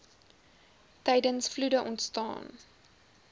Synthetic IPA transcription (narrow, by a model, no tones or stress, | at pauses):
tɛjdənsfludəʔɔntstɑ̰ːn